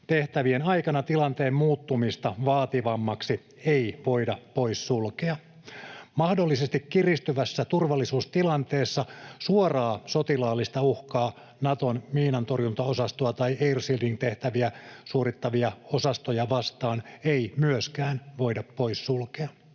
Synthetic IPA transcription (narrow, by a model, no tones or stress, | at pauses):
t̪e̞ht̪æʋienɑjkɑnɑt̪ilɑnt̪eːmmuːt̪ːumist̪ɑʋɑːt̪iʋɑmːɑksi | eiʋoidɑpo̞jssulkeɑ | mɑhdolːisest̪ikːirist̪yʋæsːæt̪urʋɑlːisuːst̪ilɑnt̪eːsːɑsuorɑːsot̪ilɑːlːist̪ɑuhkɑː | nɑt̪onmiːnɑnt̪o̞rjunt̪ɑosɑst̪oɑt̪ɑjeirsildiŋt̪e̞ht̪æʋiæsuoɾit̪ːɑʋiɑo̞sɑst̪ojɑʋɑst̪ɑːneimyøskæːnʋoidɑpːo̞issulkeɑ